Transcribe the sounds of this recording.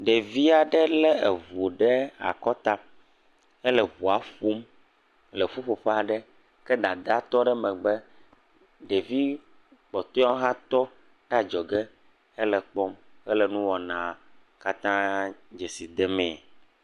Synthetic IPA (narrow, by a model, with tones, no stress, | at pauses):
ɖɛ˨vi˦a˨ɖɛ˦lɛ˦e˨vo˨ɖɛ˦a̰˨kɔ˦t̪a˦ | ɛ˦lɛ˨vu˨a˨ɸu˦m | lɛ˨fu˦ɸo˨ɸɛ˦a˨ɖɛ˦ | kɛ˦d̪a˨d̪a˦t̪ɔ˦ɖɛ˦mɛ̃˨ɡ͡bɛ˦ | ɖe˨vi˦ | k͡pɔ˨t̪ɔ˦ɔ̃˦ɦã˦t̪ɔ˦ | ɖa˨d͡ʒɔ˨ɡɛ˦ | ɛ˦lɛ˨k͡pɔ˦mɛ˦lɛ˨nũ˦wɔ˨nã˨ | ka˦t̪ã˦d͡ʒe˨si˨d̪ɛ˦mɛ̃˨